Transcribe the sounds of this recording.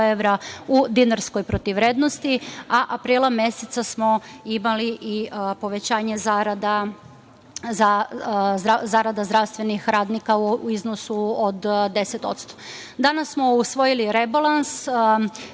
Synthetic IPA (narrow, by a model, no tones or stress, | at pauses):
eʋɾaud̪inaɾskojpɾot̪iʋɾe̞ːd̪nost̪iaʔapɾiːlˠamje̞set̪sasmo̞imaliʔipo̞ʋe̞t͡ɕaːɲezaɾad̪a | zazazaɾad̪azd̪ɾaʋst̪ʋe̞nixɾaːd̪nikauiznosuod̪d̪e̞set̪o̞̰t̪st̪o̥ | d̪anasːmo̞usʋo̞jiliɾe̞balans